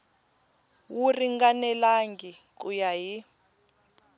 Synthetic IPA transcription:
wuriŋɡanɛlaŋɡik̬ʼujaɦi

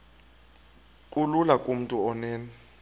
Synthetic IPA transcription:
kʼululakʼum̩tʼuɔnɛːnɛ

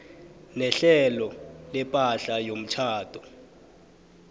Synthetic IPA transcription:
nɛɬɛlɔlɛpʼaɬajom̩t͡ʃʰaːtʰʼɔ

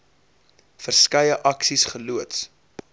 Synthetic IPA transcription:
fərskɐjəʔɐksisχəluəts

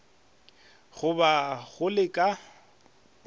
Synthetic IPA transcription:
ɣʊbaɣʊlɪkʼa

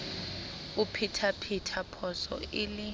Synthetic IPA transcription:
upʰitʰapʰitʰapʰɔsɔ̰ɪlɪ

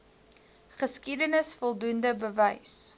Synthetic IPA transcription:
χəskidənəsfɔlˠdundəbəvəjs

